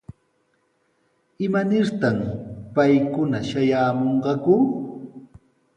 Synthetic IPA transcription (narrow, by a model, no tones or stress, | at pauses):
ɪmanɪɾt̪ampajkʊnaʃajaːmoɴɢɑkʊ